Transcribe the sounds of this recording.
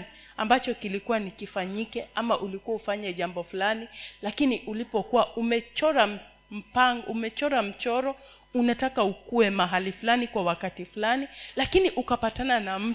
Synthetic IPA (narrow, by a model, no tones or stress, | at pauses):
i | ambat͡ʃɔkilikuwanikifaɲikɛʔamaʔulikuwaufaɲɛʄambɔfulanilakiniʔulipɔkuwaʔumɛt͡ʃɔɾam | m̩paŋɡʔumɛt͡ʃɔɾam̩t͡ʃɔɾɔ | unatakaukuɛmaɦalifulanikwawakatifulanilakiniʔukapatananam̩